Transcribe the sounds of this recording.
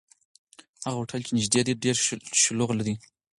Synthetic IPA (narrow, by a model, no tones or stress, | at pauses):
haɣawoʈʰalt͡ʃenɪʒd̪ed̪iɖeɾʃloɣlaɾi